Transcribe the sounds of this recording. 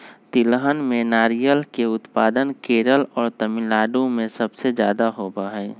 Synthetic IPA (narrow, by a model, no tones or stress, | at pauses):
t̪ɪlɦənmẽnaːɾijəlkeʊt̪paːd̪ənkeːɾəlɔːɾt̪əmɪlaːɖõmẽsɐbsed͡ʒjaːd̪aɦobaɦɛː